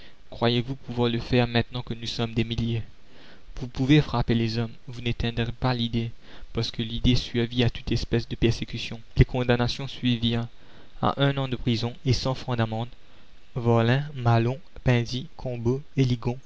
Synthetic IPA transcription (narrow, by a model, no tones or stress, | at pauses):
kχwajevupuvwaʁləfɛʁmɛ̃t̪nɑ̃kənusɔmd̪emilje | vupuvefχapelezɔmvunet̪ɛ̃d̪ʁepalid̪e | paʁsə̥kəlid̪esɥiviat̪ut̪ɛspɛsd̪əpɛʁsekʲysjɔ̃lekɔ̃d̪anasjɔ̃sɥiviʁ | a̰ʔɛ̃nɑ̃d̪əpχizɔ̃esɑ̃fχɑ̃d̪amɑ̃d̪ | vɔlɛ̃malɔ̃ | pɛ̃zikʰɔ̃boeliɡɔ̃